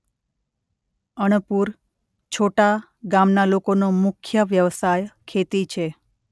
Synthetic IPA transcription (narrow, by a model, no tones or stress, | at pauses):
əɽ̃puɾ | t͡ʃʰoʈa | ɡamnalokonomʊkʰjəʋjəʋsajkʰet̪it͡ʃʰe